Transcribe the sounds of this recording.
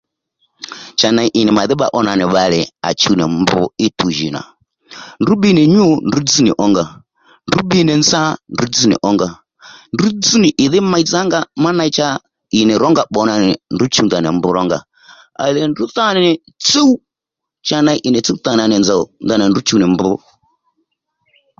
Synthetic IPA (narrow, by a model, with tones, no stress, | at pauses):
t͡ʃa˨na˨i˦ʔi˨nɛ˨ma˨ði˦ɓa̰˦˨ʔɔ˦na˨nɪ˨βa˨lɛ˨a̰˨t͡ʃu˦nɛ˨mbṵ˦i˦tu˨ʒi˨na̰˨ | ndu˦ɓi˦nɛ˨ɲu˦ndu˦d͡zi˦nḭ˨ʔɔ˦ŋɡa˨ | ndu˦ɓi˦nɛ˨nd͡za˦ndu˦d͡zi˦nɛ̰˨ʔɔ˦ŋɡa˨ | ndu˦d͡zi˦ni˨ʔɪ˨ðɪ˦ma˦i˦d͡za˦ŋɡa˦ma˦na˦i˦t͡ʃa˦ | i˨nɛ˨ɾɔ˦ŋɡa˦ɓɔ˨na˨nɛ˨ndu˦t͡ʃu˦nda˨nɛ˨mbu˦ɾɔ˦ŋɡa̰˨ | a̰˨lɛ˨ndu˦θa˦nɛ˨ | t͡si˦u˦ | t͡ʃa˦na˨i˦ʔi˨nɛ˨t͡si˦u˦θa˨na˨nɛ˨nd͡za˨u˨nda˨nɛ˨ndu˦t͡ʃu˦nɛ˨mbu˦